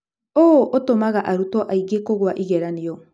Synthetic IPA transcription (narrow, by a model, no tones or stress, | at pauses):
oʔotomaɣaʔaɾutɔʔaiɣekoɣwaʔiɣɛɾaniɔ